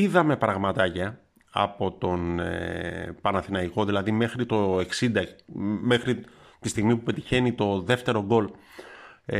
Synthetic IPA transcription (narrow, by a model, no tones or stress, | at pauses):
iðɐme̞pɾɐɣmɐt̪ɐcɐ | ɐ̰po̞t̪o̞nepɐnɐθinɐiko̞ðilɐðime̞xɾit̪o̞e̞ksind̪ɐme̞xɾit̪ist̪iɣmipupe̞t̪içe̞nit̪o̞ðe̞ft̪e̞ɾo̞ɡo̞l